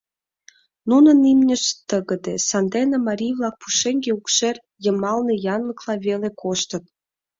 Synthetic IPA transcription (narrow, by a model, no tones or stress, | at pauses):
nunə̆nimnʲə̆ʃt̪ːəɣə̆d̪esɑnd̪enəmɑɾʲijβlɑk̚pu̥ʃeŋɡeukʃer | jəmɑlnĕjɑnlə̆klɑβelekʰoʃt̪ə̆t̪